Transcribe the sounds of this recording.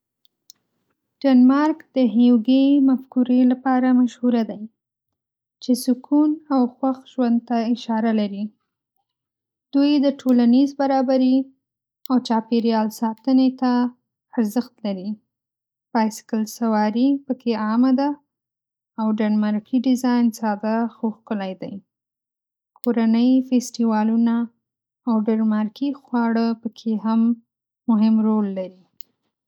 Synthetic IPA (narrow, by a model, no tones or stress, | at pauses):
ɖ̥anmɑɾkd̪̥əɦewɡemafkuɾelapɑɾamaʃhuɾad̪aj | t͡ʃesʊkʰunawxwaxʒwand̪̚t̪aɪʃɑɾalaɾi | d̪̥ujd̪əʈʰolanizbaɾɑbaɾi | awt͡ʃɑpeɾjɑlsɑt̪ənet̪a | aɾzəxt̪laɾi | b̥ajsɪ̥kəlsawɑɾipəkʰeɑmad̪aː | wɖanmaɾkiɖɪzɑjnsɑd̪axoxkəlajd̪aj | kʰoɾanəjfesʈiwɑlunaː | wɖeɾmɑɾkixwɑɽəpəkʰeɦamː | ʊɦɪmɾolːaɾi